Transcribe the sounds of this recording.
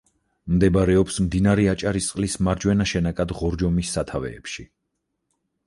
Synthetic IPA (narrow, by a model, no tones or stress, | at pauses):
md̪ɛbɾɛɔpsmd̪inaɾɛat͡ʃʼaɾist̪sʼqʼlismaɾd͡ʒwɛnaʃɛnakʼad̪ʁɔɾd͡ʒɔmisːat̪ʰavɛ̰ːpʃi